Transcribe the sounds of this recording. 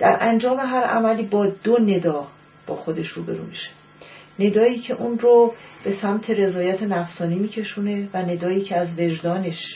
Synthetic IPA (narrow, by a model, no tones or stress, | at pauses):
d̪̥æɾʔænd͡ʒɒːme̞ɦæɾæ̰mæliːbɒːd̪one̞d̪ɒː | b̥ɒːxod̪e̞ʃɾuːbe̞̰ɾṵːmiʃe̥ | ne̞d̪ɒːiːcʰe̞ʔunrob̥e̞sæmt̪ʰe̞ɾe̞zɒːjæt̪ʰe̞næfsɒːniːmiːcʰe̞ʃuːne̞væne̞d̪ɒːiːcʰeæzve̞ʒd̪ɒːne̞ʃ